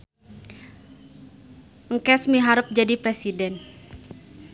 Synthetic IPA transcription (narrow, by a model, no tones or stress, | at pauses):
ŋkɛsmiɦaɾəp̚d͡ʒadipɾɛsidɛn